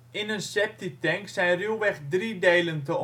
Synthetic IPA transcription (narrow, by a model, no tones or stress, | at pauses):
ɪnənsɛp̚titɛŋksɛjnrylˠʋɛxdridejləntə